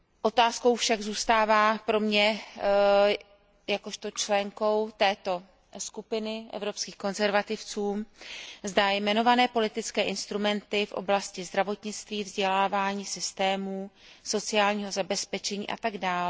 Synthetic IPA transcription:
ʔo̞t̪aːsko̞wfʃaɡzuːst̪aːvaːpɾo̞mɲɛ | jakoʃt̪o̞t͡ʃlɛŋko̞wt̪ɛːt̪o̞ | skupɪnɪʔɛ̰vɾo̞pskiːxko̞nzɛɾvat̪ɪft͡suːmzdajmɛno̞vanɛːpo̞lɪt̪ɪt͡skɛːʔɪnst̪ɾumɛnt̪ɪfʔo̞̰blascɪzd̪ɾavo̞t̪ɲɪt͡st̪viːvzɟɛlaːvaːɲiːsɪst̪ɛːmuː | so̞t͡sɪaːlɲiːɦo̞zabɛspɛt͡ʃɛɲḭːʔa̰t̪aɡdaːl

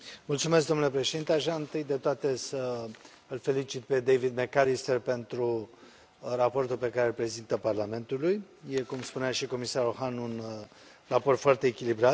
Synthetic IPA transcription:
mult̪sumesk̚d̪onule̞pɾeʃed̪int̪eaʒaɨnt̪ɨjd̪e̞t̪oat̪e̞sə | ɨlfe̞lit͡ʃit̪̚pe̞d̪e̞jvid̪mekaɾist̪erpe̞nt̪ɾu | rapo̞rt̪ulpe̞kaɾe̞ɨlpɾe̞zint̪əparlame̞nt̪uluj | je̞kumspuneaʃiko̞misaɾoxanun | rapo̞rt̪foart̪e̞ːkʲilibɾat̪

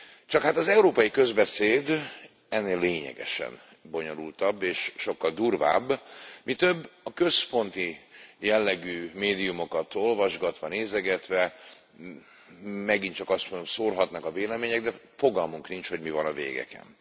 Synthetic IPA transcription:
t͡ʃɒkhat̪ɒzɛuɾoːpɒjikø̞zbɛseːd̪ | ɛnːeːlːeːɲɛ̰ɡɛ̰ʃɛ̰n | bo̞ɲo̞lult̪ɒbːeːʃʃo̞kːɒld̪uːrva̰ːbːmit̪øbːɒkø̞spo̞nt̪ijɛlːɛɡyːmeːd̪ijumo̞kɒt̪o̞lvɒʒɡɒt̪ʋɒneːzɛɡɛt̪ʋɛ | mɛɡint͡ʃɒkɒst̪mond̪omsoːrɦɒt̪nɒkɒveːlɛmeːɲɛɡ̚d̪ɛ | fo̞ɡɒlmuŋknint͡ʃho̞ɟmivɒnɒvḛːɡɛ̰kɛ̰n

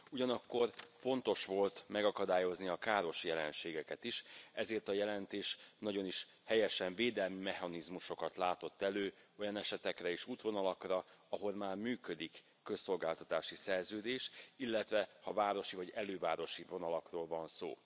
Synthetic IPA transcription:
uɟɒnɒkːo̞rfo̞nt̪o̞ʃʋo̞lt̪mɛɡɒkɒd̪aːjo̞zniɒkaːɾo̞ʃjɛlɛnʃeːɡɛkɛt̪iʃɛzeːrt̪ɒjɛlɛnt̪eːʃnɒɟo̞niʃ | hɛjɛʃɛɱveːd̪ɛlmimɛhɒnizmuʃo̞kɒt̪laːt̪o̞t̪ːɛløːo̞jɒnɛʃɛt̪ɛkrɛiʃuːt̪ʋo̞nɒlɒkrɒɒɦo̞lmaːrmyːkø̞d̪ikː | ø̞sːo̞lɡaːlt̪ɒt̪aːʃisɛrzøːd̪eːʃilːɛt̪ʋɛhɒvaːɾo̞ʃivɒɟɛløːvaːɾo̞ʃivo̞nɒlɒkroːlvɒnso̰ː

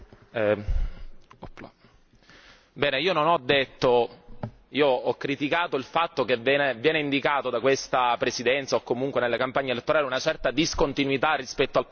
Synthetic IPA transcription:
ɛ | bɛːneiːononɔd̪ːet̪ːo | iːoɔkːɾit̪ikaːt̪oilfat̪ːok̟evːɛːnevjɛːneind̪ikaːt̪od̪akwest̪apɾesid̪ɛnt̪saokːomuŋkwenelːekampaɲːelet̪ːoɾaːleunat͡ʃɛrt̪ad̪iskont̪inwit̪arːispɛt̪ːoal

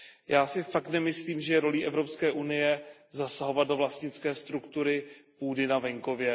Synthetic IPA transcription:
jaːsɪfakt̪nɛmɪsliːmʒɛjɛɾo̞liːʔɛvɾo̞pskɛːʔunɪjɛzasaɦo̞vat̪̚do̞vlast̪ɲɪt͡skɛːst̪ɾukt̪uɾɪpuːdɪnavɛŋko̞vjɛ

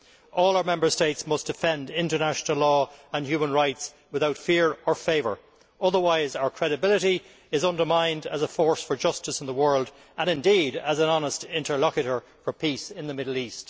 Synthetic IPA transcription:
ʔɔːlˠaʊə˞mɛ̃mbə˞steɪtsmʌsd̥ɪfɛ̃ndɪ̃ntə˞naʃənəlɔːə̃nhjʉmə̃nɹaɪts | wɪðaʊtfɪɹə˞feɪvə̰˞ | ʌðə˞waɪzaʊə˞kʰɹ̥ɛɾɨbɪləɾi | ɪzʌ̃ndə˞mãɪ̃ndəzəfɔɹsfə˞d͡ʒʌstəsɪ̃n̩ðəwɜ˞lˠd | ə̃nɪ̃ndiɾəzə̃nɑnəstɪ̃ntə˞lɑkjəɾə˞ | fə˞pʰisɪ̃nðəmɪɾl̩ˠist

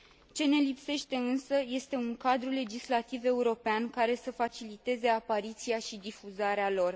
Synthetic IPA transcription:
t͡ʃe̞ne̞lipse̞ʃt̪e̞ɨnsəje̞st̪e̞uŋkad̪ɾule̞d͡ʒislat̪ive̞uɾo̞peankaɾe̞səfat͡ʃilit̪e̞ze̞apaɾit̪siaʃid̪ifuzaɾealo̞r

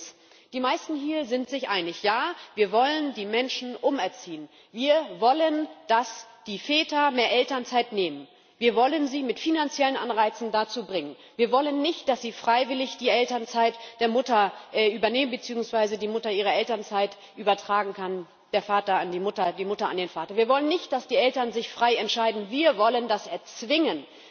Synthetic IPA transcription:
d̥iːmaɪstn̩ɦiːɐzɪntz̥ɪçʔaɪnɪçjaːviːɐvɔləndiːmɛnʃn̩ʔʊmɛɐt͡siːən | viːɐvɔlənd̥asd̥iːfɛːtɐmeːɐʔɛltɐnt͡saɪtneːmən | viːɐvɔlənziːmɪtfinant͡sjɛlənʔanʁaɪt͡sn̩dat͡suːbʁɪŋən | viːɐvɔlənːɪçtd̥asz̥iːfʁ̥aɪvɪlɪçd̥iːʔɛltɐnt͡saɪtd̥eːɐmʊtɐʔɛʔyːbɐneːmənbət͡siːʊŋsv̥aɪzədiːmʊtɐʔiːʁɐɛltɐnt͡saɪt | ʔyːbɐtʁ̥aːɡŋ̩kʰan | d̥eːɐfaːtɐandiːmʊtɐdiːmʊtɐa̰ndeːnfaːtɐviːɐvɔlənːɪçt̚d̥asd̥iːʔɛltɐnzɪçfʁ̥aɪɛntʃaɪdn̩viːɐvɔləndasʔɛɐt͡sv̥ɪŋən

